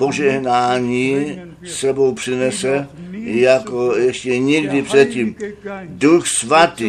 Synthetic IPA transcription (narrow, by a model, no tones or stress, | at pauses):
poʒɛɦnaːɲiː | sːɛbowpr̥ɪnɛsɛjakojɛʃcɛɲiɡdɪpr̝̥ɛt̪̚ciːmduxsvat̪iː